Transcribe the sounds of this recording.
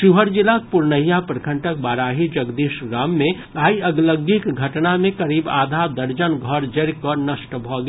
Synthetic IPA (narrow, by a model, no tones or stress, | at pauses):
ʃiɦəɾd͡ʒɪlak̚pʊɾnəjapɾəkʰə̃ɳʈək̚baːɾaːɦid͡ʒəɡd̪iːʃɾaːmːẽ | aːiɐɡləɡikɡʱɐʈnamẽkɐɾiːba̰ːd̪ʱad̪əɾd͡ʒənɡʱəɾd͡ʒəɾkɔnəʃʈbʱɔɡ